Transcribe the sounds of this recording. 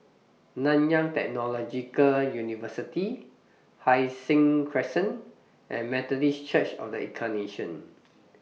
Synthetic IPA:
nãnjãŋtɛ̰k̚nɔlɔd͡ʒikəljunivəsiti | hajsĩŋkʰɹɛsə̃n | ʔɛ̰̃nmɛt̪ɔdist͡ʃət͡ʃɔ̰fdəḭ̃kʰaneʃə̃n

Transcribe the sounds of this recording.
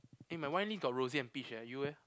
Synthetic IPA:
ɪ̃mawãj̃nliɡɔt̚ɹoziɛ̃npiʃɛjuwɛ

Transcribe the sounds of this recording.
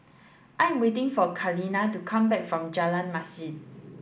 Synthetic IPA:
ʔãjɛ̃mwetɪ̃ŋfɔkʰalinatukʰãmbɛk̚fɹɔ̃md͡ʒalãnmasin

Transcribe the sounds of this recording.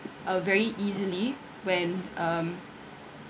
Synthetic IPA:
ʔʌvɛɹiʔizəli | wɛ̃nʌ̃m

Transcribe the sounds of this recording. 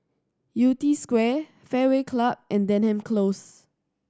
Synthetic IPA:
jutiskwɛ | fɛwekʰlab̚ʔɛ̃ndɛ̃nhɛ̃mkʰlos

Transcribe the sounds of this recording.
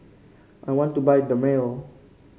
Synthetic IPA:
ʔajwɔ̃ntːubajdəmel

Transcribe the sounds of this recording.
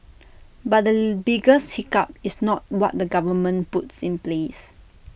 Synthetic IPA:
bat̚dəbiɡəshikap̚isnɔt̚wɔt̚dəɡavəmə̃nputsĩnples

